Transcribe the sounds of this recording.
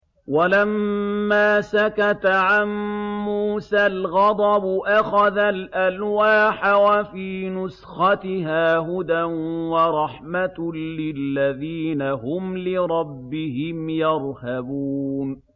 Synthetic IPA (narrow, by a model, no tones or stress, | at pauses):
walamːaːsakat̪aʕanmːuːsalɣɑd̪ˤɑbʊʔaxaðalʔalwaːħawafiːnʊsxɑt̪ɪɦaːɦʊd̪anwɑɾˤɑħmat̪lɪlːaðiːnaɦʊmlɪɾˤɑbːɪhɪmjɑɾˤhabuːn